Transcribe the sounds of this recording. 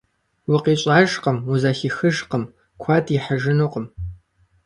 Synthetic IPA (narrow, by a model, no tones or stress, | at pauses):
wʊqiːɕʼaːʒqəmuzaːxixɨʒqəm | kʷʰɑːdʰiħəʒɪnoːqəm